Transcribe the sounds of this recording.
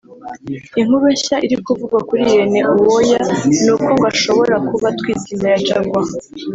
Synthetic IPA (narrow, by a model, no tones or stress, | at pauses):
iŋ̥uβeçaʔiɾikuvuɡwakuɾijene̞ʔuwojanuːko̞ŋɡaʃo̞βo̞ɾakuβatwiːtiːmaɾat͡ʃaɾɡwa